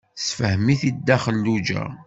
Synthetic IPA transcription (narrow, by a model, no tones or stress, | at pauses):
sfəhəmiθid̪ːæχəlːud͡ʒæ̰